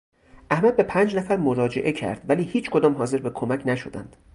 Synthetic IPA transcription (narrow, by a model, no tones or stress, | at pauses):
ʔæhmæd̪̚be̞pʰæːnd͡ʒnæfæɾmoɾɒːd͡ʒe̞̰ʔe̞cʰæ̰ɾd̪̥væliːhiːt͡ʃkʰo̞d̪ɒːmɦɒːze̞ɾbekʰomæcʰnæʃo̞d̪æ̰nd̪̥